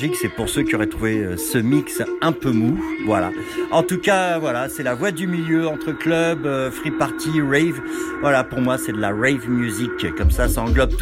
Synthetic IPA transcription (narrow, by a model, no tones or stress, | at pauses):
ʒiksɛpuʁsøkʲiɔʁɛt̪χuveøsəmiksɛ̃pømuvwala̰ | ɑ̃t̪ukavwalasɛlavwad̪ymiljøɑ̃t̪χəklœbøfχipaʁt̪ʰiʁɛjvvwalapuʁmwasɛd̪əlaʁɛjvmjyzikkːɔmsasaɑ̃ɡlɔb̚t̪